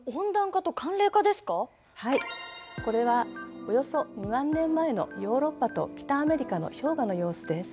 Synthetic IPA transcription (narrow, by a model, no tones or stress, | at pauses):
õnd̪ãŋkat̪o̞kʰãnɾe̞ːkad̪e̞sɨ̥ka | haiko̞ɾe̞βaojo̞so̞ɲimãnːẽ̞mːae̞no̞̰jo̞ːɾo̞pːat̪o̞̰kʲi̥t̪aːme̞ɾʲikano̞̰ço̞ːɡano̞jo̞ːsɨd̪e̞sɨ̥